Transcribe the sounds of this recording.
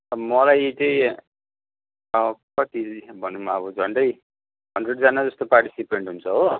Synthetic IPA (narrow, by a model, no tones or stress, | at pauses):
ʌmʌlajt͡sʌĩ | ʌkʌt̪ibʱʌnːumaʌβʌd͡zʱʌnɖʌj | ɦʌndreɖd͡zanad͡zʌst̪oparʈi̥sipeɳʈɦunt͡sʰʌɦo